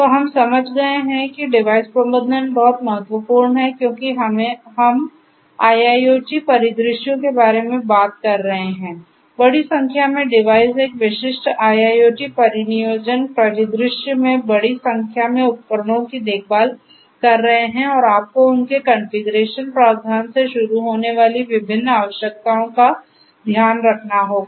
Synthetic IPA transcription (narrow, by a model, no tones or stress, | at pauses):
tt̪oɦɐmsɐməd͡ʒʱɡɐeɦɛ̃kiɖɪʋaːɪspɾəməd̪ʱənbɔɦʊt̪mɐɦət̪wəpuːɾnɦɛkjõːkiɦmɦɐm | aːjaːjoːʈipɐɾɪd̪ɾɪʃjõkebaːɾemẽbaːt̪̚kɐɾːɐɦeɦɛ̃ː | bɐɽisɐ̃ŋkʰjamẽɖɪʋaːɪseːkʋɪʃɪʃʈaːjaːjoːʈipɐɾɪnijoːd͡ʒənpɾɐɾɪd̪ɾɪʃjmẽbɐɽisɐ̃ŋkʰjamẽʊt̪̚kəɾɽõkid̪eːk̚ʰbaːl | kɐɾːɐɦeɦɛ̃ɔːɾaːp̚koʊnkekɐ̃nfɪɡəɾeːʃənpɾaːʋd̪ʱaːnseʃʊɾuɦoːneʋaːliʋɪbʱɪnːaːʋəʃjək̚t̪aːõka | d̪ʱjaːnɾɐkʰnaɦoːɡ